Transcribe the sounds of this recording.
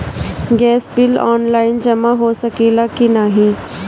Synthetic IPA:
ɡɛːsbɪlɔ̰ːnlaːɪnd͡ʒɐmaɦosɐkeːlakinaːɦĩ

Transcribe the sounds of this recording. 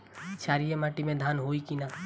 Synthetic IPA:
t͡ʃʰaːɾijemaʈimẽd̪ʱanɦoikina

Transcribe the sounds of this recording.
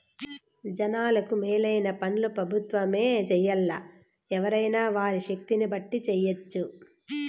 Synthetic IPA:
d͡ʒɐnaːlɐkumɛːlɐjnɐpɐnlupɾɐbʱut̪ʋɐmeːd͡ʒɛjːɐlːɐ | ɛʋɐɾɐjnaːʋaːɾiʃɐk̚t̪inibɐʈːit͡ʃɛjːɐt͡ʃːu

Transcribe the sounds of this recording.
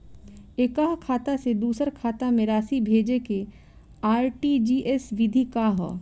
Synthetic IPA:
ekaɦkʰaːt̪ased̪uːsəɾkʰaːt̪amẽɾaːsibʱeːd͡ʒeke | aːɾʈid͡ʒiːʔesʋɪd̪ʱikaɦɔ̰

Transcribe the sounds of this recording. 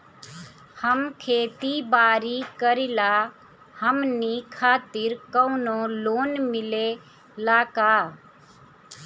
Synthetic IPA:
həmkʰeːt̪ibaːɾikəɾila | həmnikʰaːt̪ɪɾkəʊnoloːnmɪle | laːkaː

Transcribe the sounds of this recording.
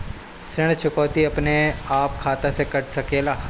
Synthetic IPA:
sɾɪɽ̃t͡ʃʰʊkɔːt̪iɐpneaːpkʰaːt̪esekɐʈsɐkeːlaː

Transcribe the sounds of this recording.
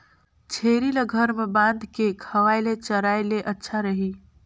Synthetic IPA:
t͡ʃʰeɾilɡʱəɾmebãnd̪ʱkekʰəʋaɪlet͡ʃəɾajleʔətːʃʰaɾəɦi

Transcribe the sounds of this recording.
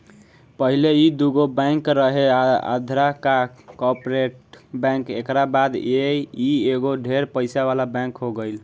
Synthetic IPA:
pəɦileid̪uɡobɛ̃ŋkɾəɦea̰d̪ʱɾakakɔpɾeʈbɛ̃ŋkekɾabad̪eieɡoɖʱeɾpəɪsaβalabɛ̃kɦoɡəjl

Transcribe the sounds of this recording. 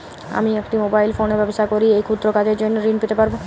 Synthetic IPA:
a̰miekʈimobajlfoneɾbɛbost̪ʰakoɾiejkʰut̪ːɾokad͡ʑeɾd͡ʑonːoɾinpit̪epaɾbo

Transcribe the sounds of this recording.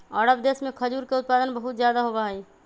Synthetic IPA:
ɔːɾəbd̪eːsmẽkʰəd͡ʒuːɾkeʊt̪̚paːd̪ənbəɦʊt̪zjaːd̪aɦobaːɦi

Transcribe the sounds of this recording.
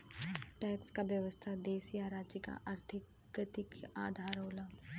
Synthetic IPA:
ʈɛːkskaʋjəʋəst̪ʰad̪eːsijaɾaːd͡ʒjəka̰ʔaɾt̪ʰɪk | ət̪ɪkaːd̪ʱaːɾɦoːlaː

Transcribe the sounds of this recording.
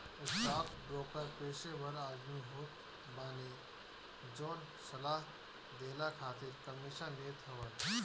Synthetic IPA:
əsʈapʰɖɾoːkəɾpesebʱəɾaːd̪miɦoːt̪ | baːni | d͡ʒoːn | səlaːɦ | d̪elakʰaːt̪iɾkəmisanet̪ʰəʋət̪

